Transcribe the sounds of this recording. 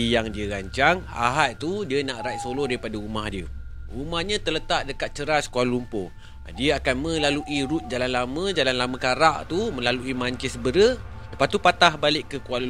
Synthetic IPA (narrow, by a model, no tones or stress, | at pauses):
jaŋdiəɾaɲt͡ʃaŋa̰ɦat̪̚t̪udiənaʔɾat̪solohdaɾipadaɾumahdiəɾumahɲãt̪ələt̪aʔ̚dəkat̪̚t͡ʃəɾaskuallumpo̰ | diəakanmə̃laluʔiɾut̪̚d͡ʒalanlamə̃d͡ʒalanlamə̃kaɾaʔt̪umə̃laluimaɲt͡ʃɪsəbəɾə | dəpat̪upat̪ahbalɪʔkːəkual